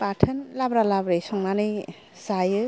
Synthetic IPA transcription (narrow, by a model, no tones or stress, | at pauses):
patʰɯnlabɾalabɾɯjsɔŋnanɯj | sajɯ